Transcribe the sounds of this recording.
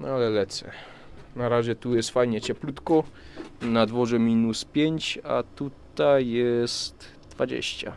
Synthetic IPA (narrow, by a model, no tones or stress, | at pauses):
nɔalɛlɛt̪sɛ̰ | naɾaʑɛt̪ujɛst̪fajɲɛt͡ɕɛplut̪kɔ | nad̪vɔʐɛmʲinuspʲjeɲt͡ɕa̰t̪ut̪ajːɛst̪ | d̪vad͡ʑḛɕt͡ɕa̰